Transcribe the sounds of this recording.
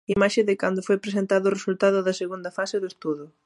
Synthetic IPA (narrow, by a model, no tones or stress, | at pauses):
imaʃɪðɪkand̪ʊfojpɾes̬ent̪aðʊːresult̪aðʊðɐseɣund̪ɐfasɪðʊest̪uðʊ